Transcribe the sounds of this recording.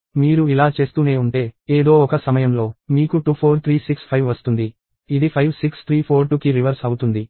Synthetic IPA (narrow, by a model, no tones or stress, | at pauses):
miːɾuilaːt͡ʃe̞ːst̪uːne̞ːuɳʈe̞ːeːd̪o̞ːɔkɐsɐmɐjɐmlo̞ːmiːkuʈuːpʰoːɾt̪ʰɾiːsikspʰɐjʋʋɐst̪und̪i | id̪ipʰɐjʋsikst̪ʰɾiːpʰo̞ːɾʈuːkiɾiʋɐɾsɐwut̪und̪i